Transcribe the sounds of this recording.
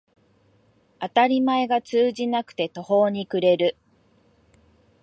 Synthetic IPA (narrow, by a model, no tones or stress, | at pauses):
at̪aɾʲimae̞ɡat͡sɨːʑinakɯ̟̥t̪e̞t̪o̞ho̞ːɲ̟ikɯ̟ɾe̞ɾɯ̟